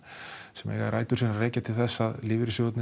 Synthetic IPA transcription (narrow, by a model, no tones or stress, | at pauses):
sɛmɛ̰ɣaɾaːjt̪ʏɾ̥inareːcat̪ʰɪlθɛsːaðlɪːvɪɾsjowt̪nɪ